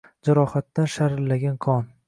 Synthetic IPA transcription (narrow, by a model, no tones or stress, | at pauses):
d͡ʒaɾɒhat̪ːanʃaɾɪlːaɡʲankʰɒn